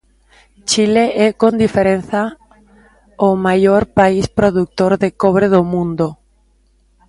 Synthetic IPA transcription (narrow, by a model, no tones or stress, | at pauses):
t͡ʃileʔɛkõnd̪ifeɾen̟θa | omajoɾpaispɾoðuk̚t̪oɾðekɔβɾeðomũnd̪o